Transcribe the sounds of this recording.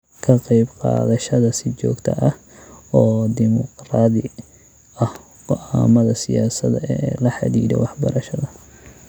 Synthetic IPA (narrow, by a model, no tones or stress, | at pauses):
kʰɐqɑjbqɑ̰ːðɐʃɐðɐsɪt͡ʃɔːɡt̪ʰɐ̰ʔɐh | ɔːd̪ɪmʊqraːd̪ɪ | ɐh | qɔʔaːmɐðɐsɪjaːsɐðɐɛlɐħɑ̰d̪iːd̪ɛ̰wɑħbɐɾɐʃɐðɐ